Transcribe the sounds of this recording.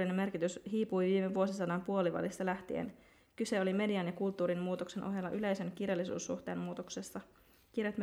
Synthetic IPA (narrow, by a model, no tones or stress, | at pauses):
inemːe̞rkit̪ysɦiːpujʋiːmeʋuo̞sisɑdɑmpuo̞liʋɑ̰list̪ɑlæht̪iḛn | kyse̞olime̞diɑnjɑkult̪ːuːɾimmuːt̪okse̞nʔo̞̰ɦjelːɑʔyle̞jse̞nkirjɑlːisṵːsːṵxt̪e̞ːmmuːt̪oksesːɑ | kirjet̪m